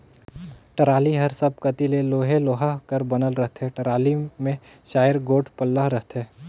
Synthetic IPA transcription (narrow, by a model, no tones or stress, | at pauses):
ʈɐɾaːliɦɐɾsɐb̚kɐt̪ileloːɦeloːɦakəɾbɐnəlɾɐɦt̪ɦɛʈɐɾaːlimẽ | ʃaːjəɾɡoːʈʰpəlːaɦɾɐɦt̪ɦɛː